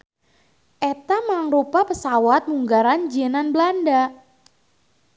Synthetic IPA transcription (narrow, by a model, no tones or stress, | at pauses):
ʔɛt̪amaŋrupapəsawat̪̚muŋɡaɾand͡ʒiananbəlanda